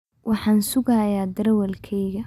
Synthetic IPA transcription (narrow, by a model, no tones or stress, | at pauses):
wʔɑħɑːnsʊɣaːjaːd̪ɐɾɛwɐlkʰɛjɣɐ